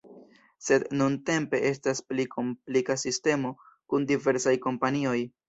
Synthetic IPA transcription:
se̞dnunte̞mpe̞ʔe̞stasplikʰo̞mplikasiste̞mo̞ | kundive̞ɾsajko̞mpanio̞j

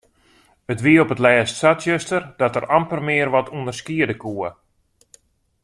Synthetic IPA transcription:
ətʋiəopətlɛːstsatsøstərdɔtəɾampərmɪərʋɔtʰundərskiədəkuə

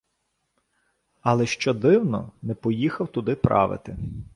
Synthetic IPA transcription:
ɐlˠɛʃt͡ʃɔd̪ɪwnɔ̰nɛpɔjixɐwt̪ʊd̪ɪpɾʔɑ̰ʋɪ̰t̪ɪ

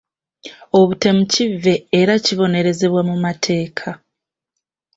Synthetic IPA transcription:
o̞βute̞mucivːe̞ːɾaciβo̞ne̞ɾe̞ze̞βwamumatʰe̞ːkʰa

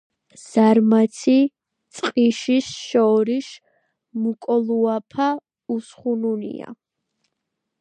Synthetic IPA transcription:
z̥aɾmat̪sʰi | t̪sʼqʼiʃisʃɔɾiʃ | mukʼɔlˠuapʰa | usχununḭa̰

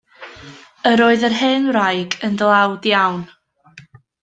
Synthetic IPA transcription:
əɾoːɨðərɦeːnwrajɡəndəlˠawdjawn

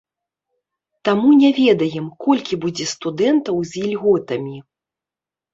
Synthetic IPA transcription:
t̪amunʲɛvʲɛd̪ɐjɛmkɔlʲkʲibud͡zʲɛst̪ud̪ɛnt̪ɐwzʲilʲɣɔt̪ɐmʲi

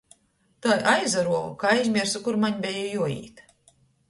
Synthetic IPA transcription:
t̪ajʔajzaɾuɔvṵkaːajzʲmʲiɛɾsukuɾmaɲbʲɛjɔjuɔḭːt̪

